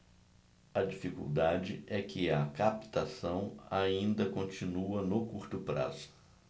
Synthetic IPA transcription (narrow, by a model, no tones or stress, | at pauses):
ɐd͡ʒifikṵwd̪ad͡ʒɪɛkɪɐkapt̪asɐ̃w̃aĩnd̪ɐkõt͡ʃĩnuɐnokuɾt̪ʊpɾa̰zʊ̥